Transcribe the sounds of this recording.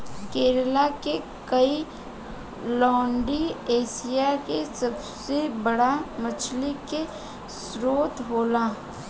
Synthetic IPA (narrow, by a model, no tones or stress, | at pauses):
keːɾlake | kəi | lɔ̃ːɳɖieːsijakesəb | sebəɽamət͡ʃʰlike | sɾoːt̪ɦoːlaː